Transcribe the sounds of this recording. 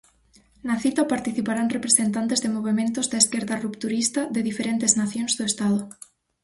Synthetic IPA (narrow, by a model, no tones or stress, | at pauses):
naθit̪apaɾt̪iθipaɾanrepɾesent̪ant̪ezðemoβ̞emẽnt̪ozðaeskeɾðarupt̪uɾist̪aðeðifeɾent̪eznaθjonzðoest̪aðo